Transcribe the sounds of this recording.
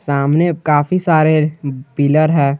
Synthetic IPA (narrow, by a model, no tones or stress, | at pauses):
saːmnekaːfisaːɾepiːləɾɦɛː